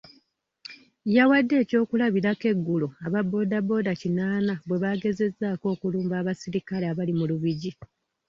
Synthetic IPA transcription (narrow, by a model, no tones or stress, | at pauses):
jawadːe̞ːco̞ːkulaβiɾake̞ɡːuloaβabːo̞ːdabo̞ːdacinaːnabwe̞βaɡe̞ze̞zːaːko̞ːkuluːmbaːβasiɾikaleaβalimuluβiɟi